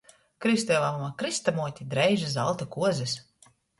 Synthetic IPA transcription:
kɾist̪ɛvamumakɾist̪amuɔt̪ʲid̪ɾɛjʒazalˠt̪akuɔzɛs

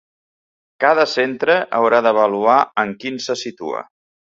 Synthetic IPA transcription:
kaðəsent̪ɾəʔəwɾaðəβəluaəŋkinsəsit̪ṵə̰

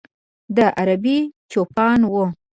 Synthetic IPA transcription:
d̪əʔaɾabit͡ʃopɑnwo

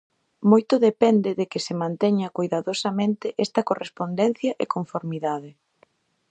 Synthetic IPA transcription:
mojt̪ʊðepɛnd̪ɪðekɪsɪmãnt̪ɛɲɐkujðaðosɐmẽnt̪ɪʔɛst̪ɐkorespond̪ɛn̟θjɐʔekoɱfoɾmiðaðɪ

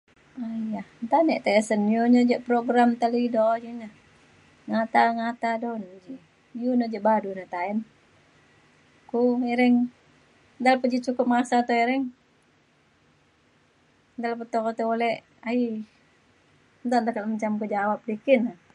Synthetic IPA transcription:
ajant̪anɛʔt̪aɛsənjuɲəd͡ʒəʔpɾoɡɾamt̪alidod͡ʒinah | ŋat̪aŋat̪adɔnd͡ʒi | junəd͡ʒəʔbadunat̪aɛn | kueɾɛŋ | d̪alapəd͡ʒit͡ʃukʊp̚masat̪oeɾɛŋ | nd̪alapət̪okɔt̪eolɛ | ai | nd̪ɔnd̪akalmət͡ʃamkəd͡ʒawap̚likina

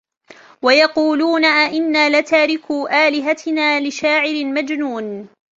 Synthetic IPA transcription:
wajɑquːluːnaʔʔɪnːaːlat̪aːɾɪkuːʔaːlɪɦat̪ɪnaːlɪʃaːʕɪɾɪmad͡ʒnuːn

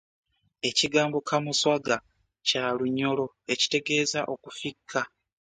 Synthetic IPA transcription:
e̞ciɡaːmbo̞kʰamuswaɡa | caluɲːo̞lo̞ | e̞ci̥te̞ɡe̞ːzaʔo̞kufikʰːa

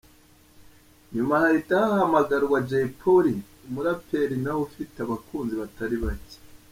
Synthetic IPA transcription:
ɲumahaɾitahahamaɡaɾɡwad͡ʒeipʰoɾi | umuɾapʰe̞ɾinaufiteaβakuːnziβataɾiβace̥

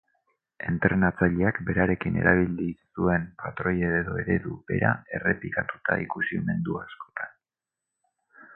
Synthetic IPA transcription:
e̞nt̪ɾe̞nat͡saʎeakbe̞ɾaɾe̞kine̞̰ɾaβ̞ilisue̞mpat̪ɾo̞jeðeðo̞e̞ɾe̞ðube̞̰ɾa̰e̞re̞plikat̪u̥t̪aikusime̞nd̪uasko̞̥t̪an

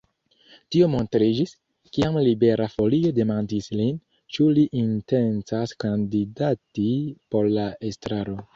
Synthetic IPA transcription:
tiomo̞ntɾid͡ʒis | kiamlibe̞ɾʔafo̞lio̞de̞mandislin | t͡ʃuliʔinte̞nt͡saskandidatipo̞ɾlaestɾaɾo̞

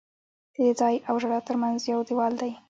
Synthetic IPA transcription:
d̪̥əed͡zɑjawʒaɽat̪əɾmanzjawd̪iwɑld̪aj

